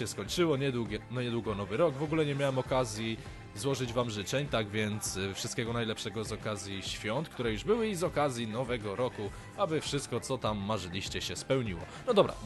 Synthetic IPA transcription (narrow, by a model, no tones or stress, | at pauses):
ɛskɔɲt͡ʂɘwɔɲɛd̪wuɡʲɛnɔɲɛd̪wuɡɔnɔvɘɾɔɡvɔɡulɛɲɛmʲjawɛmɔkazʲji | zwɔʐɘd͡ʑvamʐɘt͡ʂɛɲt̪aɡvʲjɛnt̪sfʂɨst̪kʲɛɡɔnajlɛpʂɛɡɔzɔkazʲjiɕfʲjɔnt̪kt̪uɾɛjuʐbɘwɘizɔkazʲjinɔvɛɡɔɾɔku | abɘfʂɘst̪kɔt̪sɔt̪amːaʐɘlʲiɕt͡ɕɛɕɛspɛwɲiwɔ̰ | nɔd̪ɔbɾa̰